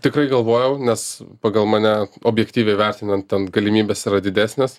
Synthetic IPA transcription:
t̪ʲɪkɾɐɪɡɐlˠʋoːjɛʊnʲɛspɑːɡɐlˠmɐnʲæoːbʲjɛkt̪ʲiːʋʲɛɪʋʲɛɾʲt̪ʲɪnɐnt̪̚t̪ʲɛnɡɐlʲɪmʲiːbʲesiːɾɐd̪ʲɪd̪ʲæːsʲnʲes

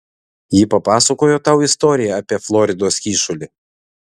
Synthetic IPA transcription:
jiːpɐpɑːsɐkoːjoːt̪ɐˑʊɪst̪ɔːɾʲɪjɛɐpʲiɛflˠɔɾʲɪd̪oːskʲiːʃʊlʲɪ

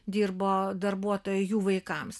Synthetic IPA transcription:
d̪ʲiːrboːd̪ɐɾbuɔt̪oːjʊjuːʋɐɪkɐms

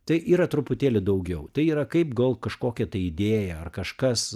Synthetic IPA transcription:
t̪ɐɪʔiːɾɐt̪ɾʊpʊt̪ʲeːlʲɪd̪ɐʊɡʲɛʊt̪ɐɪiːɾɐkɐɪpɡɐlˠkɐʃkoːkʲɛt̪ɐɪɪd̪ʲeːjɛɐrkɐʃkɐs

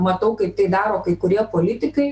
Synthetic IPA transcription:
mɐt̪ɐʊkɐɪp̚t̪ɐɪd̪ɑːɾoːkɐɪkʊɾʲiɛpoːlʲɪt̪ʲɪkɐɪ

